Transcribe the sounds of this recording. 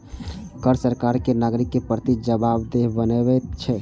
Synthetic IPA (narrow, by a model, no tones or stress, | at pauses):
kəɾsəɾkaɾkenaɡɾikːepɾət̪id͡ʒəbabd̪eɦbənebɛt̪̚t͡ʃʰɛ